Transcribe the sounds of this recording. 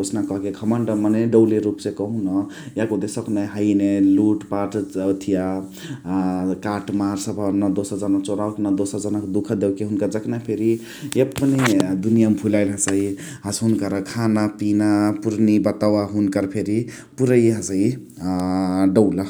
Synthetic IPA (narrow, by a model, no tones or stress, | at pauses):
osnakʌɦkeɡʰʱəmənɖəməneɖəwleɾupsekəɦũnʌjakod̪esəknaɦəjneluʈpaʈt̪ʰija | kaʈmaɾsəbʱənəd̪osəɾd͡ʒənəkt͡ʃoɾawknəd̪osəɾd͡ʒənəkd̪ukʰd̪ewkeɦunkad͡ʒəknapʰeɾi | jpːned̪unijampʰulaɪlɦəsəi | ɦəsɦunkəɾkʰanapinapuɾnibət̪awaɦunkəɾpʰeɾi | puɾəiɦəsəi | ɖəʊla